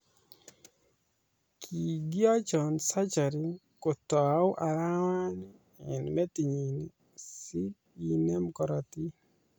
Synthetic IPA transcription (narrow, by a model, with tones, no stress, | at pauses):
kʰi˨ɡi˦a˦t͡ʃɔ˨nsa˦t͡ʃa˨ɾi˦ | ko˨tɔ˨a˦ʊ˦ʔa˨ɾa˦wa˦n | ɛ˨nmɛ˦ti˨ɲi˨ni˨ | si˦ | i˦nɛ˦mkɔ˨ɾa˨ti˦